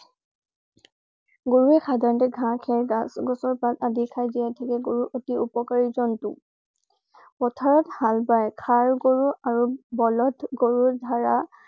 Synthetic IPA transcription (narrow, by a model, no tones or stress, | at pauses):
ɡoɹuɛxʰadʱaɹɔntɛɡʱãkʰɛɹɡasɡɔsɔɹpatadikʰajzijatʰakɛɡoɹuʔotiupɔkaɹizɔntṵ | pɔtʰaɹɔthalbajkʰaɹɡoɹuaɹubɔlɔtʰɡoɹudʱaɹa